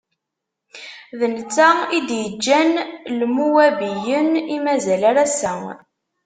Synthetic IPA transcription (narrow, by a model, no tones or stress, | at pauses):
ðənt͡sːæid̪jəd͡ʒːænlmuwæbijənimæzælaɾæsæ